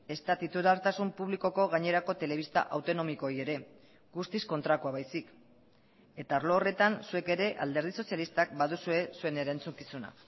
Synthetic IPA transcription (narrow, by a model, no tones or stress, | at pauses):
e̞st̪at̪it̪uɾaɾt̪asumpuβliko̞ko̞ɣaɲe̞ɾako̞t̪e̞le̞β̞ist̪a̰ʔawt̪o̞no̞miko̞je̞ɾe̞ | ɡust̪isko̞nt̪ɾak̪uaβajsik | e̞t̪aːɾlo̞ːre̞t̪ansue̞ke̞ɾe̞ʔa̰ld̪e̞ɾð̞iso̞sjalist̪ak̚baðusue̞sue̞ne̞ɾant͡suŋkisuna̰